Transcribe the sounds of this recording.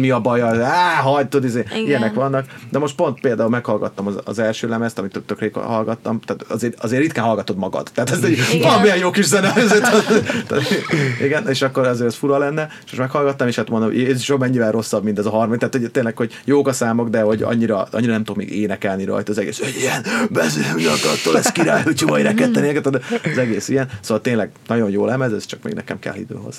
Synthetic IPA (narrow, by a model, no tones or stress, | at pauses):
miɒbɒjɒaːɦɒɟt̪ud̪izeːijɛnɛkʋɒnːɒkd̪ɛmo̞ʃt̪po̞nt̪peːld̪aːulmɛkhɒlɡɒt̪ːɒmɒɒ̰zɛlʃøːlɛmɛst̪ɒmit̪ːt̪økɾeːkɦɒlɡɒt̪ːɒmt̪aːt̪ɒzeːɾɒzeːrit̪̚kɛnɦɒlɡɒt̪o̞d̪mɒɡɒ̰d̪̥t̪ːɛːt̪ɛzɛvɒlɒmiɛjjoːkiʃzɛnɛzet̪t̪iɡɛneːʃɒkːo̞ɾɒzeːɾɛsfuɾɒlɛnːɛeʃmoʃmɛkhɒlɡɒt̪ːɒmeːʃhat̪mond̪omo̰jjeːzuʃomɛɲːivɛlrʔo̞sːɒbmint̪ɛzɒɦɒrmɒt̪ːæːt̪hoɟt̪eːnlɛkho̞ɟ | joːɡɒsaːmoɡd̪ɛho̞ɟɒ̰ɲːiɾɒɒ̰ɲːiɾɒnɛmt̪okmḛːɡḛːnɛkɛlniɾɒ̰jt̪ɒːzɛɡḛːsøɲijɛnbɛzyɲɒ̰kɒ̰t̪ːo̰ɛskiɾa̰ːjut͡ʃimɒiɾɛɛt̪ːɛnekɛt̪od̪ɒzɛɡeːsijɛnsoːvɒlt̪eːnlɛɡnɒɟo̞njoːlɛmɛzɛz̥t͡ʃɒk̚mḛːɡnɛ̰kɛ̰mkɛ̰lːḭd̪ø̰ːɦo̰z̥